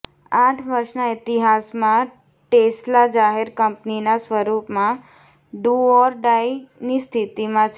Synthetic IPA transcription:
aʈʰʋəɾʃnaɪt̪iɦasmã | ʈeslad͡ʒaɦeɾkəmpninasʋəɾupmã | ɖuɔɾɖajnist̪ʰit̪imãt͡ʃʰ

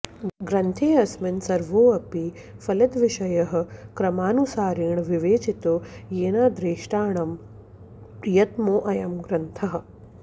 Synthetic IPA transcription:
ɡɾɐnt̪ʰeːɐsmɐnsɐɾʋoːɐpi | fɐlɐd̪ʋiʃɐjɐɦɐ̆kɾɐmaːnusaːɾiːɳʋiʋeːt͡ʃit̪ojeːnaːd̪ɾeːʂʈaːɳɐm | jɐt̪moːʔɐjɐmɡɾɐnt̪ʰɐɦɐ̆

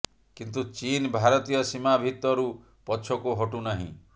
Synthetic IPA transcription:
kint̪̬ut͡ʃinbʱaɾɔt̪ijɔsimabʱit̪ːɔɾu | pɔt͡ʃʰɔkuɦɔʈunaɦḭ̃

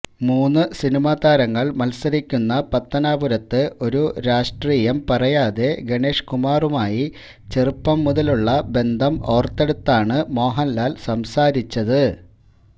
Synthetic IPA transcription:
muːnːɨsinimaːd̪aːɾɐŋːɐɭmɐlsɐɾikʲːunːɐpɐt̪ːɐnaːbuɾɐt̪ːɨʔo̞ɾuɾaːʂʈriːjɐmpɐrɐjaːðe̞ɡeɳe̞ːʂkumaːrumaːji | t͡ɕerɨpːɐmːuðɐluɭːɐbe̞nd̪ʱɐmo̞ːrt̪ːe̞ɽut̪ːaːɳɨmo̞ːɦɐnlaːlsɐmsaːɾit͡ɕːɐðɨ

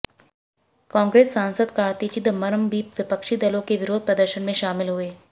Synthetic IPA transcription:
kãːŋɡɾeːsːãːnsəd̪kaːɾt̪it͡ʃɪd̪mɐɾəmbiːpʋɪpəkʃid̪ɐlõkeʋɪɾoːd̪̚pɾɐd̪əɾʃənmẽʃaːmɪlɦʊeː

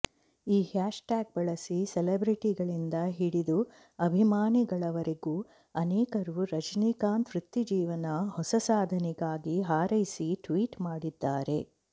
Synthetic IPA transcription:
iːhaːʂʈaːɡ̚bɐɭɐsisɛlebɾiʈiɡɐɭind̪ɐɦiɽid̪u | ɐbʱimaːniɡɐɭɐʋɐɾeɡuː | ɐnɛːkɐɾuɾɐd͡ʒniːkaːnt̪ʋɾit̪ːid͡ʒiːʋɐnɐhɔsɐsaːd̪ʱɐnɛɡaːɡiɦaːɾɐjsiʈʋiːʈmaːɽid̪ːaːɾe̞

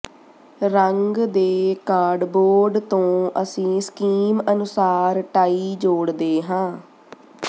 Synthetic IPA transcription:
ɾəŋɡd̪eːkaːɖboːɾɖt̪õːʔəsĩːskiːmənʊsaːɾʈaːiːd͡ʒoːɽd̪eːɦãː

